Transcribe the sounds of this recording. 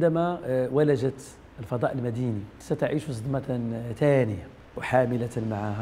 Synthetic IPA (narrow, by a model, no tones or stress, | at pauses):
ʕd̪æmæwælæʒət̪ | əlfɑd̪ˤɑʔəlmæd̪ini | sæt̪aʕiʃusˤɑd̪mɑt̪t̪ænəja | wħaməlæt̪nmaʕahæ